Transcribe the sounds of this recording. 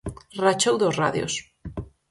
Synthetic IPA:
rat͡ʃowðozra̰ðjo̰s

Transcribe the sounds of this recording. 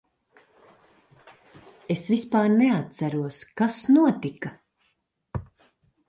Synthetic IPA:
esvispaːɾneat̪̚sæɾuɔskasnuɔt̪ika

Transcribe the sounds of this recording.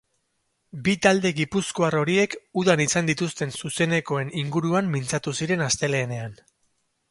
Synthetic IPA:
bit̪ald̪e̞ɣipusko̞aro̞ɾie̞kuðanisand̪it̪ust̪e̞nsuse̞ne̞ko̞e̞niŋɡuɾuamːint͡sat̪usiɾe̞nast̪e̞le̞ːne̞an

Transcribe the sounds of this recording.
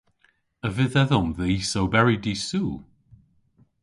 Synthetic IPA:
əvɪðɛðɔmðeisowbɛɹɪdisuː

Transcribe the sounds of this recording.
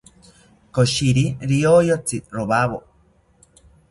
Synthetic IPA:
koʃiɾiɾiojot͡siɾoβaβo

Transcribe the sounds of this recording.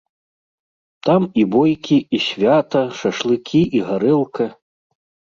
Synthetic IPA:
t̪amibɔjkʲiiɕʲvʲat̪ɐʂɐʂlˠɨkʲʰiʔiɣaɾɛlˠkɐ

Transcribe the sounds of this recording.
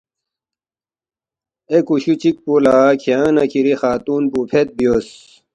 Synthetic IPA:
ekuɕut͡ɕik̚pulaːkʰijãːnɐkʰiɾixaːt̪uːnbupʰet̪̚bijos

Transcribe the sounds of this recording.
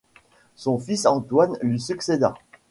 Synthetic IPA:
sɔ̃fisɑ̃t̪wanlɥisyksed̪a̰

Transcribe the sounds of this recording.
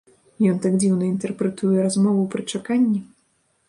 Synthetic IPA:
jɔnt̪aɡd͡zʲiwnɐint̪ɛrpɾɛt̪ujɛɾazmɔvupɾɨt͡ʂakanʲːi

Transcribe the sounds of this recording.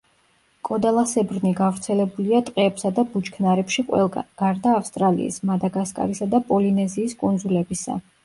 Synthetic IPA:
kʼɔd̪alˠasɛbɾniɡavɾt̪sʰɛlɛbuliat̪ʼqʼɛːpsad̪abut͡ʃkʰnaɾɛpʃiqʼɛɡ̥aɾd̪aːfst̪ʼɾalḭḭsmad̪aɡaskʼa̰ɾisad̪apʼɔlinɛziːskʼund̪zulɛbisa̰

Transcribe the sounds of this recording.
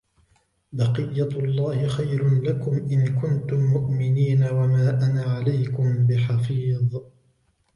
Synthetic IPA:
bɑqɨjːalˤːɑːhɪxajɾʊlakʊmʔɪnkʊnt̪ʊmːʊʔmɪniːnawamaːʔanaːʕalajkʊmbɪħɑfiːðˤ

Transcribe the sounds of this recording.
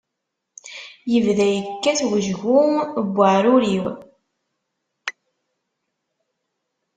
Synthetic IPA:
jəvðæjəkːæθwəʒɣubːəʕɾʊɾiw

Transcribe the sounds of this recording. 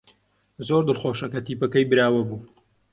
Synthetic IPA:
zoːɾd̪ɨlxoːʃɐkɐt̪iːpɐkɐjbɨɾaːwɐbuː

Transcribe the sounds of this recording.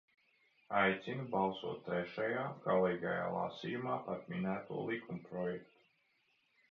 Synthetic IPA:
ajt̪sinubalˠsuɔt̪ːɾɛʃajaːkɔlˠɛjɡa̰ja̰ːlˠa̰sijumaːpat̪minæːt̪ṵɔlˠikumpɾɔjɛkt̪u̥

